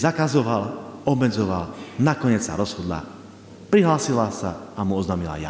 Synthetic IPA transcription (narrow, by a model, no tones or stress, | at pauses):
zakazɔʋalɔbmɛd͡zɔʋalnakɔɲɪɛt͡ssa̰ɾɔz̥hɔd̪la̰ | pɾiɦlaːsilasaamuɔznaːmila̰ja̰